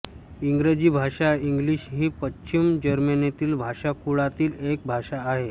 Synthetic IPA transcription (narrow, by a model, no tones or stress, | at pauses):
iŋɡɾed͡ʑiːbʱaʂaiŋɡliɕɦiːpətːɕimd͡ʑəɾmenet̪iːlbʱaʂakuɭat̪iːlek̚bʱaʂaːɦe